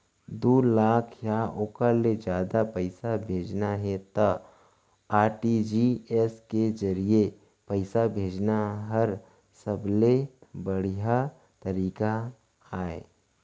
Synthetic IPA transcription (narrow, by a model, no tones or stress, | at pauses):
d̪uːlaːkʰjaːoːkaled͡ʒjaːd̪apəɪsabʱeːd͡ʒnaɦɛt̪ɐ | aːɾʈid͡ʒiɛsked͡ʒɐɾie | pəɪsabʱeːd͡ʒnaɦɐɾ | səblebɐɽ̤ija | t̪ɐɾiːka | aːḛː